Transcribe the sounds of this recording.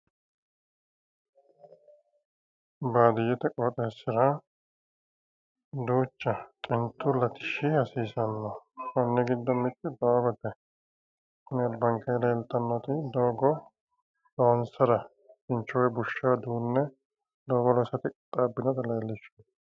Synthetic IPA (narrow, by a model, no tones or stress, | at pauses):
baːd̪ɪjːɛt̪ɛkʼːɔːt̪ʼɐɛsɪɾa | d̪uːt͡ʃːɐt͡ʃʼɪnt̪ːʊlɐt̪ɪ̥ʃɪhɐsiːsɐnːɔkɐnːɛɡɪd̪ːɔmːɪt̪ʼːɪd̪ɔwabɐt̪ːɛ | kʊnɪɐlbɐŋkɐjlɐɛlt̪ʼːɐnːɔt̪ɪd̪oːɡɔ | lɔːnsɐɾɐ | t͡ʃɪnt͡ʃːɔwjɛbʊʃːaːd̪uːnːɛ | d̪oːɡɔlɔsɐt̪ɪkʼt̪ʼaːbːɪd̪ɐt̪ɐlɐːlːɪʃɐ